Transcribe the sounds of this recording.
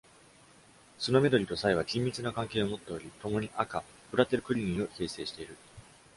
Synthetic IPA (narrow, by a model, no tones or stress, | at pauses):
so̞no̞me̞d̪o̞ɾʲit̪o̞saiβ̞akʲĩmʲːit͡sɨnakãŋke̞ːo̞mo̞t̪ːe̞o̞ɾʲit̪o̞mo̞ɲ̟iʔaka | bɯ̟ɾat̪e̞ɾɯ̟kɯ̟ɾʲiɲʲĩo̞çe̞ːse̞ːɕi̥t̪e̞iɾɯ̟